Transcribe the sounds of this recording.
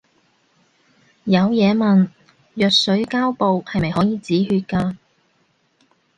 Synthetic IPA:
jɐ˨˧wjɛː˨˧mɐ˨n | jœː˨k̚sɵ˨˥ɥkaː˥wpo˨whɐ˨jmɐ˨jhɔː˨˥jiː˨t͡siː˨˥hyː˧t̚kaː˧

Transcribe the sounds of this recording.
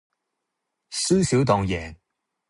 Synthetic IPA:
sɵ˥siː˨˥wt̪̬ɔː˧ŋjɛː˨˩ŋ

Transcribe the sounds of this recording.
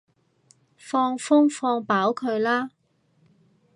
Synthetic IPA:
fɔː˧ŋfʊ˥ŋfɔː˧ŋpaː˨˥wkʰɵ˨˧ɥlaː˥

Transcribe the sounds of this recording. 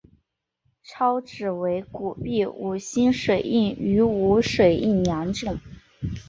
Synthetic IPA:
ʈ͡ʂʰɑ˥ʊʈ͡ʂɻ̩˨˩we˧˥ɪku˨˩pi˥˩u˨˩ɕi˥nʂwe˨˩ɪʔi˥˩ny˧˥u˧˥ʂwe˨˩ɪi˥˩njɑ˧˥nʈ͡ʂɤ˥˩ŋ

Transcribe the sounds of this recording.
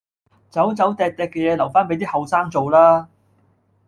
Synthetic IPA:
t͡sɐ˨˥wt͡sɐ˨˥wt̪ɛː˨k̚t̪ɛː˨kːɛː˧jɛː˨˧lɐ˨˩wfaː˥npe˨˥jt̪iː˥hɐ˨˧wsaː˥ŋt͡so˨wlaː˥

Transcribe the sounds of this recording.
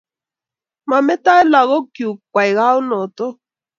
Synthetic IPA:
ma˨mɛ˦ta˦ɛ˦la˨ɣɔ˦ki˨u˨kwa˨i˨ɣa˦u˦nɔ˨t̪ɔ˦

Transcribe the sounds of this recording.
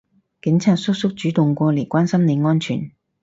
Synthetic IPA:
kɪ˨˥ŋt͡sʰaː˧˥t̚sʊ˥k̚sʊ˥k̚t͡ʃyː˨˥t̪ʊ˨ŋkʷɔː˧le˨˩jkʷaː˥nsɐ˥mne˨˧ŋɔː˥nt͡ʃʰy̰ː˨˩n

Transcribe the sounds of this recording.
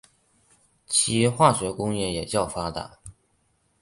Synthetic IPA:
t͡ɕʰi˧˥˧xwa˥˩ɕɥɛ˧˥kʊ˥ŋjɛ˥˩jɛ˨˩t͡ɕjɑ˥˩ʊfa˥t̪a̰˨˩˦

